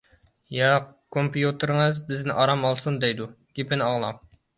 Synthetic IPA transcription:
jɑkʰompʰjut̪ʰɨɾŋəzbɪznɪʔɑɾɑmɑlˠsund̪ɛjd̪u | ɡ̥ʲepʰɪnɪɑŋlˠɑ̰m

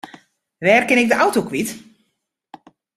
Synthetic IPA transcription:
ʋɛːrkɪnɪk̚dəʔawtokʋit

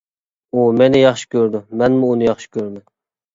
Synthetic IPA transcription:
umenɪjɑχʃi̥kʲøɾd̪ʊmɛnmuːnɨjɑχʃi̥kʲøɾd̪ɪ

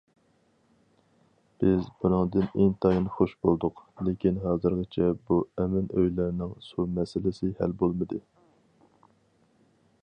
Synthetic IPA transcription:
b̥ɪzbunɨŋd̪ɨneŋt̪ʰɑjinχoʃbolˠd̪ʊqlekʲinɦɑːzɨɾɡɪt͡ʃʰɛbuɛmɪnø̰jlæɾnɪŋsumɛsɪlɪsɪhæ̰lbolˠmɨd̪ɨ

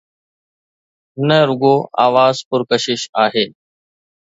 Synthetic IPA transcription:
nəɾʊɡoːa̰ːʋaːzpʊɾkəʃɪʃaːɦeː

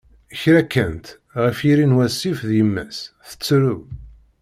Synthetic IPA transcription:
əçɾækːænt̪ | ʁəfiɾinwæsːifðjəmːæsθə̥t͡sːɾu

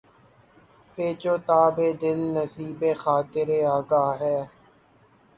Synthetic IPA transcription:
peːt͡ʃoːt̪aːbeːd̪ɪlnəsiːbeːxaːt̪ɪɾeːaːɡaːɦɛː

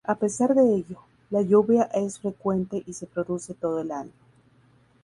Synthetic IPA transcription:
ape̞saɾðe̞eʝo | laʝuβjaʔe̞sfɾe̞kwe̞nt̪e̞ʔise̞pɾo̞ðuse̞t̪o̞ðoelalmo

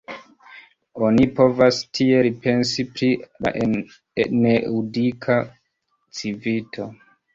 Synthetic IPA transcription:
o̞nipo̞vastʰie̞ɾipe̞nsipɾila̰ʔe | neudikʰa | t͡sivitʰo̞

